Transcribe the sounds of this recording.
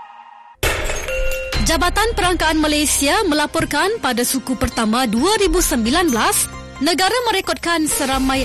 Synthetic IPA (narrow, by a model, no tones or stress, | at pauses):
d͡ʒabat̪anpəɾaŋkaːnmalajsiamə̃lapɔrkanpadasukupərt̪amaduaɾibusəmbilanbəlas | nə̃ɡaɾamə̃ɾekɔt̪̚kansəɾamãj